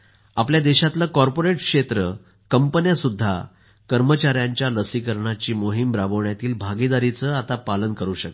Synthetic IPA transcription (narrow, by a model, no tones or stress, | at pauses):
apljad̪eɕat̪lakɔɾpoɾeʈkʂet̪ɾə | kəmpənjasud̪ʱːa̰ | kəɾmət͡ɕaɾjaɲt͡ɕjaləsikəɾɳat͡ɕiːmoɦimbɾabəʋɳjat̪iːlbʱaɡid̪aɾit͡səat̪apalənkəɾuːɕək